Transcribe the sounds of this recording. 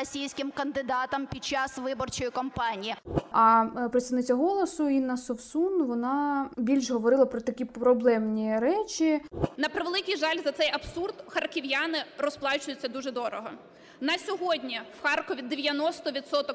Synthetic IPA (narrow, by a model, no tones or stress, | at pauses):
ɔsʲijsʲkɪmkɐnd̪ɪd̪ɑt̪ɐmpʲid̪̚t͡ʃɑsʋɪbɔrt͡ʃɔjikɔmpɑnʲijiɐpɾɪt̪st̪ɐʋnɪt͡sʲːɐɦɔlˠɔsʊinɐsɔwsunʋɔnɑbʲilʲʃɦɔʋɔɾɪlˠɐpɾɔt̪ɐkʲipɾɔblˠɛmnʲiɾɛt͡ʃʲinɐpɾɪʋelˠɪkijʒɑlʲzɐt̪ɛjɐbsurd̪xɐrkɪʋjanɪɾɔsplˠɑt͡ʃʊjʊt͡sʲːɐd̪uʒɛd̪ɔɾɔɦɔ̰ | nɐsʲɔɦɔdʲnʲiwxɑrkɔʋʲid̪eʋʲjɐnɔst̪ɔʋʲit̪sɔt̪ɔk